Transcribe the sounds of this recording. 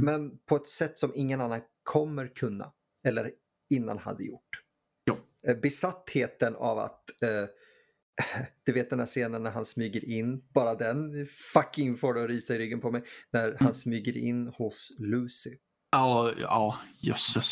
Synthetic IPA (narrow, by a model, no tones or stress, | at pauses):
mɛnpʰɔɛt̪sɛt̪ːsɔmɪŋːənanːan | kʰɔmːəɾkʰɵnːa̰ | ɛlːə̰ɾ | ɪnːa̰nha̰d̪ːə̰jʊ̰ʈː | j | bɛsat̪ːheːt̪əna̰va̰t̪ː | d̪̥ɵveːt̪̚d̪ɛnd̪æːʂeːnənːæɾhansmyːɡəɾʔɪnːbɑːɾad̪ɛnfakːɪŋfoːɖɛɔɾiːsaɪɾʏɡːənpʰɔmɛjnæɾhansmyːɡəɾɪ̰nːhʊslʉːsɪ | ɑːɑːjɵ̰s